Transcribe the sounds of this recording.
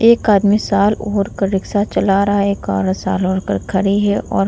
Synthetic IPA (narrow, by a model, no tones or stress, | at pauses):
eːkaːd̪misaːloːɾkəɾːɪksat͡ʃɐlaɾɐɦaeːka̰ːɾsaːloːɾkəɾkʰɐɽiɦɛʔɔ̰ːɾ